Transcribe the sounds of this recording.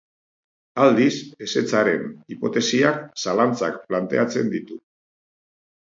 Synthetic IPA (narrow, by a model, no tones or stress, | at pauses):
ald̪ise̞se̞t͡saɾe̞nipo̞t̪e̞siaksalant͡sa̰k̚plant̪e̞at͡se̞nd̪it̪u